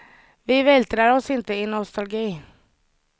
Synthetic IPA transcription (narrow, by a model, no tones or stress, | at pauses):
ʋɪʋeːlt̪ʰɾəɾɔsɪnt̪əɪːnɔst̪ɑlɡiː